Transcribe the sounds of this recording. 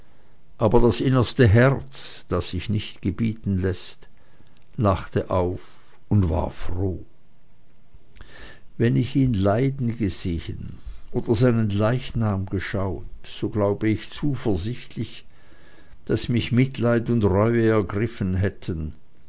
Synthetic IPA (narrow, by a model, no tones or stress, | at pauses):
ʔaːbɐdasʔɪnɐstəɦɛɐt͡s | d̥asːɪçnɪçtɡ̥əbiːtn̩lɛst | laχtəʔaʊf | ʊndva̰ːɐfʁoː | vɛnɪçiːnlaɪdn̩ɡəzeːə̰nʔoːd̥ɐzaɪnənlaɪçnaːmɡəʃaʊtz̥oːɡlaʊbəɪçt͡suːfɛɐzɪçtʰlɪç | d̥asmɪçmɪtʰlaɪtʊntʁɔʏəɛɐɡʁɪfənɦɛtʰən